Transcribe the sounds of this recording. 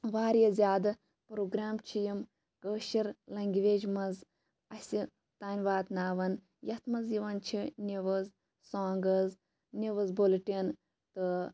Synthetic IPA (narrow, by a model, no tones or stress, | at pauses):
ʋaːɾjɐzʲjaːd̪ɐ | pɾoːɡɾaːmt͡ʃʰijim | kəːʃiɾlɐŋɡʲiʋeːd͡ʒmɐnz | ɐsʲi | t̪aːnʲʋaːt̪naːʋɐn | jɐt̪ʰmɐzjiʋɐnt͡ʃʰinʲiʋɐz | saːŋɡɐz | nʲiʋɐzbolʈʲin | t̪ɨ